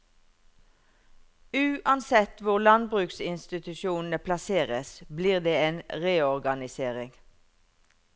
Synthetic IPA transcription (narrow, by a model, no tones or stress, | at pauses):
ʉːʔɑnsɛt̪ʋʊʁlɑnbʁʉːksɪnst̪ɪt̪ʉʃuːnn̩əpʰlɑseːʁəsbliːʁd̪eːeːnʁeːɔʁɡɑnɪseːʁɪŋ